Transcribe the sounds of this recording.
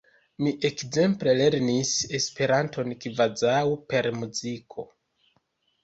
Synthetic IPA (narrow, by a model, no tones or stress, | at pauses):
miʔe̞kze̞mple̞le̞ɾnise̞spe̞ɾantʰo̞nkvazawpe̞ɾmuzikʰo̞